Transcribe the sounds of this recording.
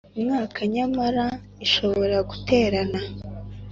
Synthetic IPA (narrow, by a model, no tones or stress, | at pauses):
umŋaːkʰaɲamaɾa | iʃo̞βo̞ɾaɡute̞ːɾana